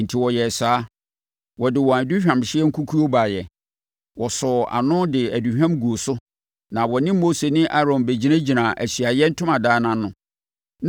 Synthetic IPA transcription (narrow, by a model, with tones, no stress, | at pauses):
n̩˨tʰi˨wɔ˨jɛ˨saː˨˦ | wɔ˨dɪ˨wɔ̃˨æ˨du˦ɕᶣã˨mɕɪ˦ɛ˦ŋ̩˦kʰu˦kʰu˦o˦ba˨jɛ˨ | wɔ˨sɔ˨a̰˨nʊ̃˦dɪ˨æ˨du˨ɕᶣã˦mɡu˨o˨sʊ˦ | nã˨wɔ˨nɪ̃˦mː˦o˦se˨nɪ̃˦ʔa˦ɾɔ̃˨mbe˨d͡ʑi˦nã˦d͡ʑi˨nã˨ʔæ˨ɕɥa˨jɛ˦n̩˦tʰʊ̃˦mã˨daː˦nã˦nʊ̃˨ | n